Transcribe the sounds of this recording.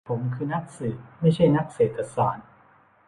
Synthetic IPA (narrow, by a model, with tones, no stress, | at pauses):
pʰo˨˩˦mkʰɯː˧na˦˥k̚sɯː˨˩t̪̚ma˥˩jt͡ɕʰa˥˩jna˦˥k̚seː˨˩t̪ːa˧sɔ̰ː˩˦n